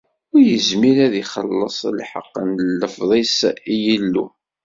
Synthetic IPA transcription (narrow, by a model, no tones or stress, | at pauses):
ʊɾjəzmiɾæðiχəlːəsˤlħə̰qːənləfðˤisijəlːṵ